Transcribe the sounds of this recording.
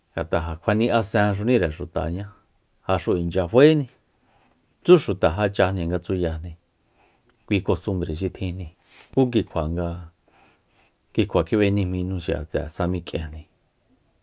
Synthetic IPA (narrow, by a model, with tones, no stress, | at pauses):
ŋɡa˨t̪a˨ɦa˨kʷʰa˧nĩ˧ʔa˧sɛ̃ː˧ʃ̬u˧nĩ˦ɾe˨ʂu˨t̪a̰˨ɲã˦ | ha˧ʂu˧i˨nd͡ʒa˧ɸwe˦nĩ˧ | t͡su˦ʃu˨t̪a˨ɦa˧t͡ʃa˧nĩ˧ŋɡa˧t͡su˦ja˧nĩ˧ | kʷiː˧ko˧st̪u˧mbɾe˨ʃ̬i˧t̪ʰĩ˧nĩ˧ | ku˦k̬i˧kʷʰa˨ŋɡa˧ | ki˧kʷʰa˨kʰi˦βe˧nĩ˧mĩ˧nũ˧ʃi˨a̰˨t͡sɛ̰˨sa˧mĩ˧kʼḛ̃˧nĩ˧